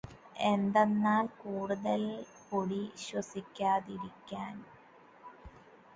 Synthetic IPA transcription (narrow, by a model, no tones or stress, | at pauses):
end̪enːaːlkuːɽuðɐl | poɽiɕwɐsikʲːaːðiɾikʲːaːn